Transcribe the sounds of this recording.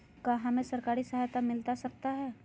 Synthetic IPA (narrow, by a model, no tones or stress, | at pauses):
kaːɦɐmẽsɐɾkaːɾisɐɦajt̪amɪlt̪asɐk̚t̪aɦɛː